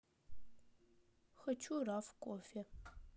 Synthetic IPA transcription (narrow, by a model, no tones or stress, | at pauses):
xɐt͡ʃʰuraːfkʷʼɔfe